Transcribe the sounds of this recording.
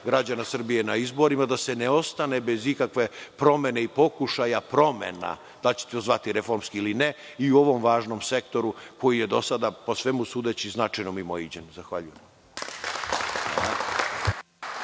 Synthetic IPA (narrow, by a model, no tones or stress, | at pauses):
ɡɾad͡ʑanasr̩bije̞naizbo̞ɾimad̪ase̞neo̞st̪ane̞be̞zikakʋe̞pɾo̞me̞ne̞ipo̞kuʃajapɾo̞mḛna̰ | d̪̥alt͡ɕe̥t̪eozʋat̪iɾe̞fo̞ɾmskiiline | iuo̞ʋo̞mʋaːʒno̞mse̞kt̪o̞ɾuko̞jije̞d̪o̞sad̪apo̞sʋemusuːd̪e̞t͡ɕiznat͡ʂajnomimoid͡ʑenzaxʋaʎujemam | aa